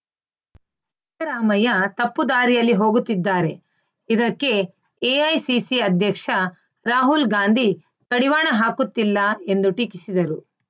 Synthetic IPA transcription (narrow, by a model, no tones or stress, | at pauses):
t͡ʃit̪ɐɾaːmɐjɐt̪ɐpːud̪aːɾijɐlːiɦoːɡut̪ːid̪ːaːɾe̞ | id̪ɐkːe̞ | eɐjsisiɐd̪ʱjɐkʂɐ | ɾaːɦulɡaːnd̪ʱi | kɐɽiʋaːɳɐɦaːkut̪ːilːɐe̞nd̪uʈiːkisid̪ɐɾu